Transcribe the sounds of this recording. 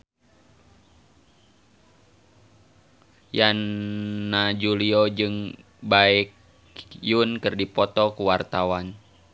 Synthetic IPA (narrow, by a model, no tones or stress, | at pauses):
janː | ad͡ʒuliɔd͡ʒɨŋ | baik | junkɨrdipɔt̪ɔkuwart̪awan